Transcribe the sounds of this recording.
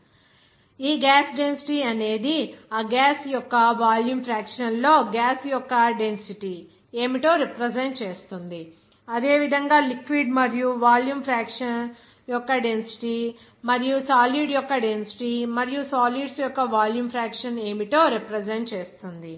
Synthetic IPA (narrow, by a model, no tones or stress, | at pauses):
iːɡaːsɖensi̥ʈiːɐne̞ːd̪iaːɡaːsjɔkːɐʋaːljuːmpʰɾaːkʂɐnlo̞ːɡaːsjɔkːɐɖe̞nsiʈi | e̞ːmiʈo̞ːɾipɾed͡ʒeɳʈ̚t͡ʃe̞ːst̪und̪i | ɐd̪e̞ːʋid̪ʱɐŋɡaːlikʋiɖmɐɾijuʋaːljuːmpʰɾaːkʂɐn | jɔkːɐɖe̞nsi̥ʈi | mɐɾijusaːliɖjɔkːɐɖensi̥ʈimɐɾijusaːliɖsjɔkːɐʋaːljuːmpʰɾaːkʂɐne̞ːmiʈ̪o̞ːɾepɾɐd͡ʒeɳʈt͡ʃe̞ːst̪und̪i